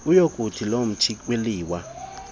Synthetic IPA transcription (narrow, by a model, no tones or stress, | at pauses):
ujokʼutʰilom̩t͡ʃʰiweliːwa